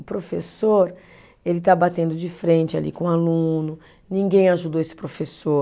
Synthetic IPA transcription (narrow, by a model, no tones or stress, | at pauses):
ʊpɾofesoɾ | elɪt̪abat̪ẽnd̪ʊd͡ʒɪfɾẽnt͡ʃɪalḭkõalũnʊ | nĩŋɡẽj̃aʒud̪oesɪ̥pɾofeso